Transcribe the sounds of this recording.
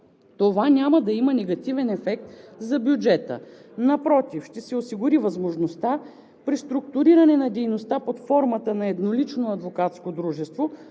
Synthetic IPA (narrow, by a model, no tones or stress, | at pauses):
t̪ovanʲamɐd̪ɐimənɛɡɐt̪ivɛnɛfɛk̚t̪zɐbjud͡ʒɛt̪ə̰nɐpɾɔt̪ifʃt̪ɛsɛosiɡʊɾivɐzmoʒnost̪a | pɾist̪ɾʊkt̪ʊɾiɾɐnɛnɐd̪ɛjnost̪apot̪fɔɾmɐt̪ənɐɛd̪nolit͡ʃnoɐd̪vokat̪skod̪ɾuʒɛst̪vo